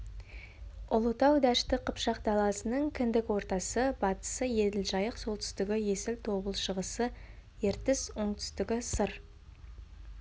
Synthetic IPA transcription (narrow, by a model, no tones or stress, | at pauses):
ʊlˠut̪ɑwd̪æʃt̪ɪqʰəpʃɑqd̪ɑlˠɑsənəɴkʲʰɪnd̪ɪkwo̞ɾt̪ɑsəbɑt̪ə̥səje̞d̪ɪlʒɑjəqso̞lˠt̪ʰʏ̥st̪ɪɡʲɪje̞sɪlt̪ʰo̞bəlˠʃəʁəsəje̞ɾt̪ɪzwo̞ɴt̪ʰʏ̥st̪ɪkʲɪsəɾ